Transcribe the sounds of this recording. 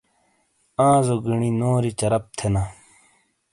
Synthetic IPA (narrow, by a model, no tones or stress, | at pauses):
ãːzoɡiɳinoːɾit͡ɕɐɾɐp̚t̪ʰena